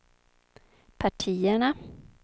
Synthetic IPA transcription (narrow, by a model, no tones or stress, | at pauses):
pʰaʈʰiːəɳa